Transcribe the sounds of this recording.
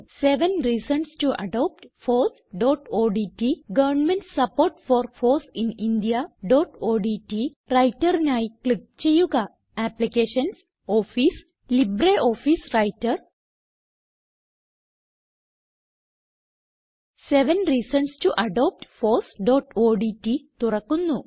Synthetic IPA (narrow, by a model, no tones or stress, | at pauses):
seʋə̃nɾiːsə̃nsʈuʔɐ̰ɖɔːp̚ʈfɔːs | ɖɔːʈoːɖiːʈiɡɐʋəɾnmẽɳʈssɐpoːɾʈfɔːɾfɔːsɪ̃nĩnɖijaɖɔːʈoːɖiːʈi | ɾaɪʈəɾnjaːjklip̚t͡ʃejuɡa | æplikeːʃə̃ns | oːfiːs | libreʔo̞ːfisrɐjtːɐr | seʋɐnriːsɐnstuʔɐɖoːp̚ʈfoːsɖoːʈoːɖiʈːit̪urɐkːunːu